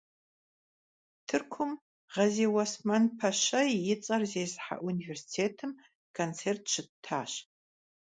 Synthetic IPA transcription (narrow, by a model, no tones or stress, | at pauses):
tʰɨrkʷʰʊm | ʁɐzeːwɐsmɐnpʰɐʃɐjjɪt͡sʼɐrzeːzħa̰ʔuniversi̥tʰeːtʰɨm | kʰont͡sʰeːrtʰʃʰɨtʰːaːɕ